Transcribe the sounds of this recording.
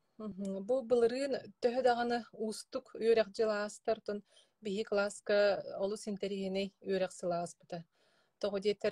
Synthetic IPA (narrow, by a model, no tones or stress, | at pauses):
m̩ɦbubɯlˠɯɾɯːnt̪œɦœd̪aʁanɯuːst̪ukyœɾɛχd͡ʑɯlˠaːst̪aɾt̪ɔn | biɦiklˠaskaɔlˠusint̪ɛɾiɦinɛjyœɾɛχsɯlˠaːspɯt̪a | t̪ɔʁɔd̪iɛt̪ːɛɾ